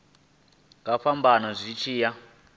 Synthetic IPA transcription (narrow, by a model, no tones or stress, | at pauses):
kafambanɔzʷit͡ʃʰiːja